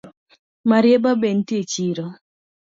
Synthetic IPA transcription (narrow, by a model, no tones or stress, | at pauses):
maɾjebaben̩tjet͡ʃiɾɔ